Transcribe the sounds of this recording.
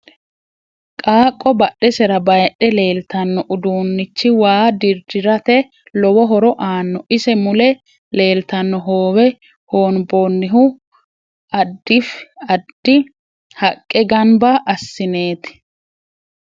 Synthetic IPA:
kʼaːkʼːɔbɐɗɛsɛɾɐbɐjɗːɛle̞ːlt̪ɐnːɔʔʊd̪uːnːɪt͡ʃːɪwaːd̪ɪɾd̪ɪɾɐt̪ɛ | lɔwɔɦɔɾɔʔaːnːɔʔɪsɛmʊlɛ | le̞ːlt̪ɐnːɔɦoːwɛ | hoːnbonːɪɦʊ | ɐd̪ːɪfɐd̪̥ːɪ | hɐkʼːɛɡɐnbɐʔɐsːɪne̞ːt̪ɪ̥

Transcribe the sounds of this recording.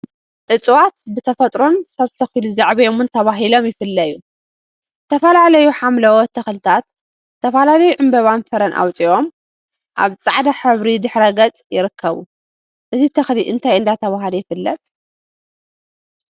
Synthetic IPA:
ʔɨt͡sʼwat̪bɨt̪ʰɐfɐt̪ʼɾonsɐβt̪ʰɐxiluzaʕβɐjomɨnt̪ʰɐβaɦilo̞mjɪfɨlːɐju | ɨt̪ʰɐfɐlalɐjuħamlɐwot̪ʰɐxlt̪ʰat̪ | t̪ːʰɐfɐlalɐjuʕɨmbɐβanfɐɾɐnʔa̰wt͡sʼiom | ʔaβt͡sʼaʕd̪aħɨβɾid̪ɨħɾɐɡɐt͡sʼjɪɾɨkʰːɐβu | ʔɨzit̪ʰɐxliʔɨnt̪ʰajɨnd̪at̪ʰɐβaɦlijɪfɨlːɐt̪ʼ

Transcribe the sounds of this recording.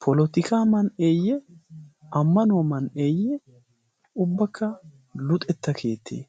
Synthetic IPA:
pʰɔlɔt̪ɪkaːmɐneːjɛ | ɐmːɐnʊɐmɐneːjːɛ | ʊbːɐkʰːɐ | lʊt̪ʼɛt̪ːɐkʰe̞ːt̪ʰːḛː

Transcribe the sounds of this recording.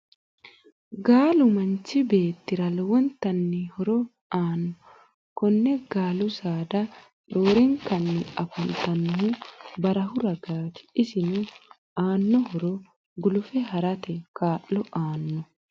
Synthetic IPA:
ɡaːlʊmɐnt͡ʃɪbe̞ːt̪ːɪɾɐlwɔnt̪ɐnːɪhɔɾɔ | aːnːɔ | kɔnːɛɡ̥aːlʊsaːd̪ɐ | ᶑoːɾɪŋkɐnːɪɐfɐnt̪ɐnɦubɐɾɐɦʊɾɐɡaːt̪ɪ̥ɪsɪnu | aːnːɔhɔɾɔ | ɡʊlʊfɛɦɐɾɐt̪ɛkaːʔːɔʔaːnːɔ

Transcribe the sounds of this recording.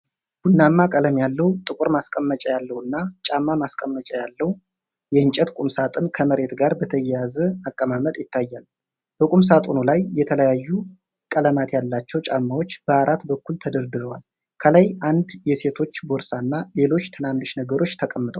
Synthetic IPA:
ɡ̥unːamːakʼələmjalːəwut̪ʼɨkʼuɾmaskʼəmːət͡ʃʼɛjalːəhɨnːat͡ʃʼamːamaskʼəmːət͡ʃʼɛjalːəhu | jɛɨnt͡ʃʼɛt̪kʼumsat̪ʼɨnkʰəməɾe̞t̪ɡaɾbət̪ʰəjɛjazəakʼːəmamət̪ʼjɪt̪ːajːal | b̥əkʼums̬at̪ʼunulajːɛt̪ʰələjajːu | kʼələmat̪jalːat͡ʃːɛwt͡ʃʼamːawo̞t͡ʃːb̥əaɾat̪bəkːult̪ʰəd̪əɾd̪ɨɾəwal | kʰələjʔand̪jɛse̞t̪ʰo̞t͡ʃːboɾsaɨnːale̞lo̞t͡ʃːt̪ʰɨnanːɨʃnəɡəɾo̞t͡ʃːt̪ʰəkʼəmːɨt̪ʼə̰w

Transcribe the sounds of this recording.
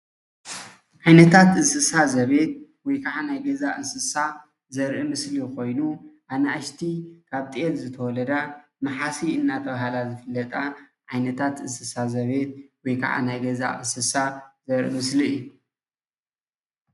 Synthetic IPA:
ʕajnɐt̪ʰat̪ɨsɨsazɐβe̞t̪̚wɔjkʰaʕanajɡɐzaʔɨnsɨsa | zɐɾʔɨmɨsliko̞jnuʔanɐaʃt̪ʰikʰaβt̪ʼelzɨt̪ʰɐwɔlɐd̪a | mɨħasiɨnːat̪ʰɐβahalazɨfɨlːɐt̪ʼaʕajnɐt̪ʰat̪ɨsɨsazɐβe̞t̪̚wɔjkʰa̰ʕa̰najɡɐza̰ʔɨnsɨsazɐɾʔɨ̰mɨsliɨjːu

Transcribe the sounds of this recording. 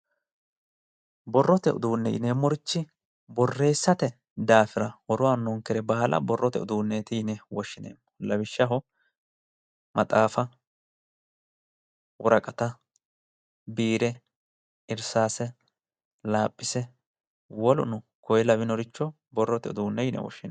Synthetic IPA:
bɔrːɔt̪ɛʔʊ̰d̪uːnːɛʔɪ̰ne̞ːmːɔɾɪt͡ʃːɪ | bɔrːe̞ːsːɐt̪ɛ | d̪aːfɪɾɐwɔɾʊwanːɔŋkɛɾɛbaːlʔɐ̰bɔrːɔt̪ɛ̰ʊ̰d̪uːnːeːt̪ɪɪnɛwɔʃːɪnḛːmːɔ̥lɐβɪʃːɐɦɔ | mʔɐt̪ʼaːfɐ | wɔɾɐkʼɐt̪ɐ | biːɾɛ | ɪɾsaːsɛ | laːpʼːɪsɛ | wɔlʊ̰nʊ | kɔjɛlɐβɪnɔɾɪt͡ʃːɔ | bɔrːɔt̪ɛʊd̪uːnːɛjɪnɛ̰wɔ̰ʃːɪn

